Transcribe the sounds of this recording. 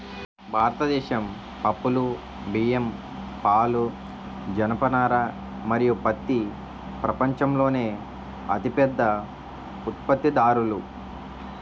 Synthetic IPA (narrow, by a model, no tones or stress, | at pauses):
bʱaːɾɐt̪ɐd̪ɛːʃɐm | pɐpːulu | biːjem | paːlu | d͡ʒɐnɐpɐnaːɾɐ | mɐɾijupɐt̪ːi | pɾɐpɐɲt͡ʃɐmlo̞ːne̞ː | ɐ̰t̪ipɛd̪ːɐ | ut̪̚pɐt̪ːid̪aːɾulu